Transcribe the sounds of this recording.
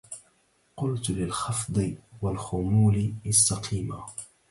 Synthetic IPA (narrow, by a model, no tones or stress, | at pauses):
qʊlt̪lɪlxɑfd̪ˤɨwalxʊmuːlɪɪsːaqʰiːma